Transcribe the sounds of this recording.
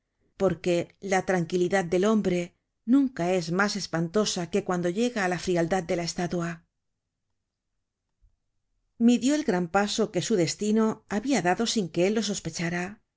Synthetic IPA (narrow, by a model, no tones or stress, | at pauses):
po̞ɾke̞lat̪ɾaŋkiliðað̚d̪e̞lo̞mbɾe̞ | nũŋkae̞zmase̞spant̪o̞sake̞kwand̪o̞ʎe̞ɣaːlafɾiald̪að̚d̪e̞lae̞st̪at̪wa | miðjo̞elɣɾampaso̞ke̞suðe̞st̪ino̞aβiaðaðo̞siŋke̞elːo̞s̬o̞spe̞t͡ʃaɾa